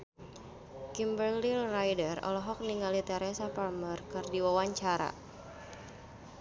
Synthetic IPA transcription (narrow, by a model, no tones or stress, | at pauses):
kimbərlilrajdərɔ̰lɔɦɔk̚niŋalit̪ɛɾɛsapalmərkɨrdiwawaɲt͡ʃaɾa̰